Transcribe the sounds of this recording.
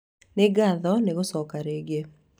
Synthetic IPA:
nɪɡaðɔneɡosɔkaɾeɡe

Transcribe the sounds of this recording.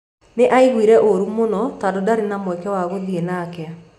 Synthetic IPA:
neʔaiɣwiɾɛʔoɾumonɔtadodaɾenamwɛkɛwaɣoðienakɛa

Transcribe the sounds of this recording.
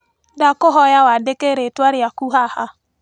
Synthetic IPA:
dakoɦɔjawadekeɾetwaɾeakuɦaha

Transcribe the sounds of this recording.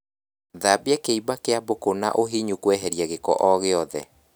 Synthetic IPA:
ðabeɛkeibakeabokona̰ʔoɦiɲukwɛɦɛɾjɛɣekɔ̰ʔɔɣeɔðɛ̰

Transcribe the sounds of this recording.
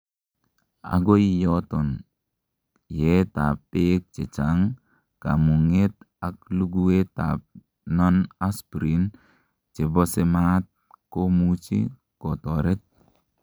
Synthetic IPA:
a̰ɡoijɔtɔn | jetapːek̚t͡ʃet͡ʃaŋ | kamuŋet̚ | ak̚luɡueta̰p̚ | nɔnaspɾin | t͡ʃebɔsemat̚komut͡ʃḭ | kotɔɾet̪̚

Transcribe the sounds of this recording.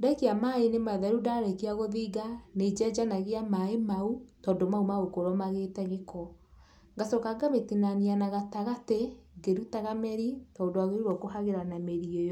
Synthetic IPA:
daikeamaenemaðɛɾudaɾekeaɣoðiːɡaned͡ʒɛd͡ʒanaɣeamaemautɔːndomaumaɣokoɾɔmaɣetɛɣekɔ | ŋɡasɔkaɡametinanianaɣataɣateɡeɾutaɣamɛɾitɔːndowaɣeɾuɾɔkohaɣeɾanameɾiojɔ

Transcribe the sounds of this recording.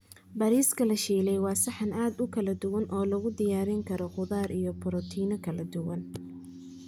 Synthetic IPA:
bɐɾiːskʰɐlɐʃiːlɛjwɑːsɑħɑnaːd̪ʊkʰɐlɐd̪ʊwɐnʔɔːlɐɣʊd̪ɪjaːɾɪŋkʰɐɾɔqʊðaːɾʔijɞbʰʊɾɔt̪ʰiːnɐkʰɐlɐd̪ʊwɐn

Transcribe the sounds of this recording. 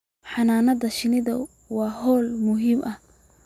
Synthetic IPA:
ħɑnaːnɐðɐʃɪnɪðɐ | wɑːɦɔːlmʊɦiːmʔɐh

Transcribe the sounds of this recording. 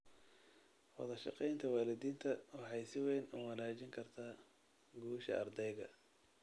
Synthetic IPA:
wɑ̰ðɐʃɑ̰qɛjnt̪ʰɐwɑːlɪd̪iːnt̪ʰɐwɑħɑjsɪwɛːnʊmɐlaːt͡ʃɪŋkʰɐrt̪ʰaː | ɡuːʃɐ̰ʔɐrd̪ɛjɣɐ

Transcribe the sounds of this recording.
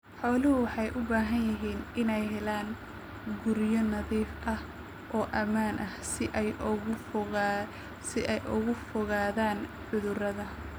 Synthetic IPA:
ħɔːlɪɦʊwɑħɑjʔʊbaːɦɐnjɪɦiːnɪnɛjɦɛlaːn | ɡʊɾjɔnɐðiːfʔɐh | ʔɔːʔɐmaːnʔɐhsɪʔɛj | ɣ | sɪʔɛjʔʊ̰ɣʊfɔɣaːðaːn | ʕʊðʊrɐðɐ

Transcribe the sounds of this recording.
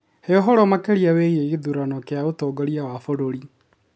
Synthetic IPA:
heɔɦɔɾɔmakeɾiaweːieɣeðuɾanɔkeaotɔːɡɔɾiawafoɾoɾi

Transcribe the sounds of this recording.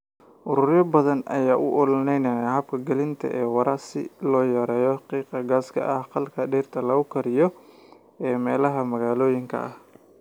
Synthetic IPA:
ʔʊɾʊrjɐbɐðɐnʔɐ̰jaːʔʊʔʊlnɛjnɐjɐɦɐb̚kʰɐɡɐlɪnt̪ʰɐ̰ʔɛːwɑɾasɪ̰lɔːjɐɾɛːjɔhɑqiːqɐɡaːskʰɐ̰ʔɐhqɑlkʰɐɖɛːrt̪ʰɐlɐɣʊkʰɐɾɪjɔ | ɛːmɛːlɐɦɐmɐɣaːlɔːjɪŋkʰɐ̰ʔɐh

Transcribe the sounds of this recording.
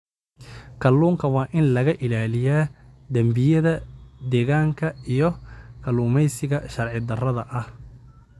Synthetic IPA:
kʰɐlːuːŋkʰɐwɑːʔɪnlɐɣɐʔɪlaːlɪjaːd̪ɐmbɪjɐðɐd̪ɛːɣaːŋkʰɐijɞkʰɐluːmɛjsɪɣɐʃɐrʕɪd̪ɐrɐðɐʔɐh

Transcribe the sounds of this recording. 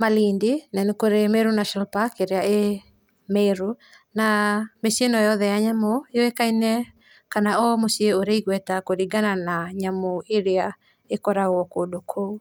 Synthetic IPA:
malindinɛnekoɾemeɾunaʃɔnalpakːeɾeaʔe | meɾu | namesenɔjɔðɛjaɲamojoekainɛ | kanaɔmosieoɾeiɣwɛtakoɾiɡananaɲamoeɾea | ekɔɾaɣwɔkodokʰou

